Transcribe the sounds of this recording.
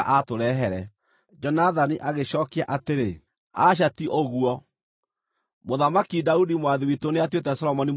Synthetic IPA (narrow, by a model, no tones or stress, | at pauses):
ʔatoɾɛɦɛɾɛ | d͡ʒɔnaðaniʔaɣeɕɔːkeaʔateɾe | aʃ̬atiʔoɣuɔ | moðamakidaudimwaðiwitoneatwetɛsɔlɔmɔni